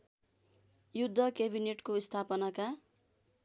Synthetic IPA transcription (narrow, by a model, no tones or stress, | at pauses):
jud̪ʱːʌkebineʈkoist̪ʰapʌnaka